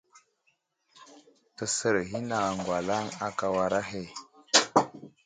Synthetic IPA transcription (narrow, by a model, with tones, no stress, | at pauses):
tə˨sə˨ɾɦi˦na˨ŋɡwa˨la˦ŋa˨ka˨wa˨ɾa˦ɦe˨